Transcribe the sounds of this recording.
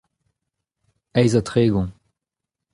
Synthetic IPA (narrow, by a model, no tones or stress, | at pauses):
ɛjzat̪χeːɡɔ̃